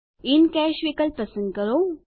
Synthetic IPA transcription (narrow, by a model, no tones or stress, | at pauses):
inkɛːʃʋikəlp̚pəsə̃nd̪̚kəɾo